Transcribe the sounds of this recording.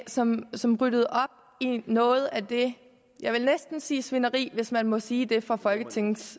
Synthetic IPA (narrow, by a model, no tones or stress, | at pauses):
sɒ̽msɒ̽mʁyd̥əð̞̩ˠɒ̽b̥ | inɔ̽ːð̞̩ˠæd̥e̝ | jɑ̈ɪʋe̝lnesd̥n̩siːsʋe̝nɐʁḭːʋe̝smænmɔ̽siːd̥e̝fʁɑ̈fɒ̽lɡ̥ət͡sʰe̝ŋn̩s